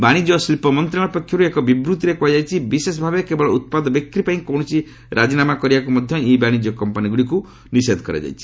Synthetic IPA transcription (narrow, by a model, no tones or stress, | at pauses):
baɽ̃id͡ʒɔslpɔmɔnt̪ɾãɔpɔkʰːjɔɾuekɔbibɾut̪iɾekuad͡ʒajt͡ʃʰibisesɔbʱabekebɔɭɔut̪̚pad̪ɔbek̚ɾipaĩkɔw̃ɔsʰi | ɾʔad͡ʒinamakɔɾibakumɔd̪ʱjɔibaɽ̃id͡ʒɔkɔmpaniɡuɽiku | nised̪ʱɔkɔɾa̰d͡ʒa̰jt͡ʃʰi̥